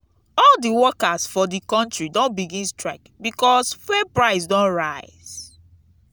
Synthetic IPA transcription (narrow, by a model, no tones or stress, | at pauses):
ɔldiwɔkasfɔdikɔ̃ntɹidõnbiɡĩnstɹaɪkbikɔsfɛpɹaɪs̬dɔ̃nɹaɪz̥